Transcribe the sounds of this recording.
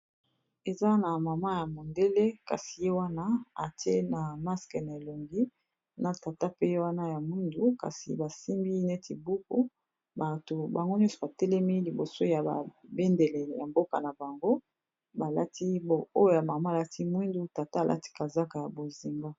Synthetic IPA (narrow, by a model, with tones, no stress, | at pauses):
e˨za˦na˨ma˨ma˦ja˨mo˨nde˦le˦ka̰˨si̥˨je˦wa˦na˦a˨ti˦e˦na˨ma˦skɛ˨na˨e˨lo˨ŋɡi˦ | na˨ta˨ta˦pe˦je˦wa˦na˦ja˨mwi˦ndu˦ka̰˨sḭ˨ba˨si˦mbi˦ne˦ti˨bu˦ku˦ | ba˨to˨ba˨ŋɡo˦ɲɔ˦so˨ba˨tɛ˦lɛ˦mi˦li˨bo˨so˦ja˨ba̰˨be˦nde˨lɛ˨ja˨mbo˦ka̰˨na˨ba˨ŋɡo˦ | ba˨la˦ti˦bo˨o˦jo˦ja˨ma˨ma˦˨la˦tʰi˦mwi˦ndu˦ta˨ta˦˨lʔa̰˦ti̥˦ka˨za˦ka˨ja˨bo˨zi˨mɡa˦